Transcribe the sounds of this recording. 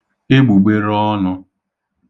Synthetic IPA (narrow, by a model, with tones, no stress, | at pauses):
ɪ˦ɡ͡bu˨ɡ͡be˦ɾɔ˦nʊ˦˧